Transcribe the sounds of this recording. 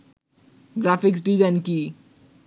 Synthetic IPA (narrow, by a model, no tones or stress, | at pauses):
ɡɾafiks̬ɖizanki